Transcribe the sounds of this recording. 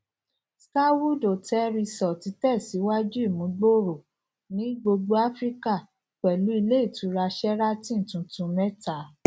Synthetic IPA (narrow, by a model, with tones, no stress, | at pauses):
ska˦wu˦˨do˨tɛ˦ɾi˧sɔ˨ti˨˧˦tɛ˦˨si˨˦wa˦d͡ʒu˦i˦˨mũ˨˦ɡ͡bo˦˨ɾo˨ | nĩ˦ɡ͡bo˧ɡ͡bo˦a˦fɾi˦ka˦˨ | k͡pɛ˨lu˨˦i˧le˦i˦˨tũ˨˦ɾa˧ʃɛ˦ɾa˦tĩ˦n̩˨tũ˨˧˦tũ˧˦mɛ˦ta˨˦